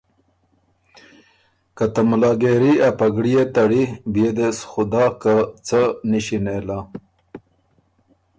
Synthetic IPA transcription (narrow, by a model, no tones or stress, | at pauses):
kat̪amulɑːɡeɾiapaɡɽijet̪aɽibijed̪esxud̪ɑːkat͡səniɕinela